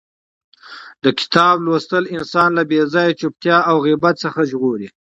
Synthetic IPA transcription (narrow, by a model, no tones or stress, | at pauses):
d̪əkɪ̥t̪ɑblost̪əlɪnsɑnlabezɑjat͡ʃup̚t̪jɑawɣibat̪səxaʒɣoɾi